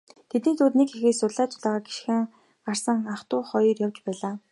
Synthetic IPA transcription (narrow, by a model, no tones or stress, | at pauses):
t̪ʰet̪niːt͡s̪ʰʊːt̪nekxixeːsʊɮaːt͡ɕʊ̥ɮaːʁaːɡi̥ʃxɘ̆ːŋ | ɢarsə̆ŋaχt̪ʊːχɔjɞ̆rjawt͡ɕpæːɮaː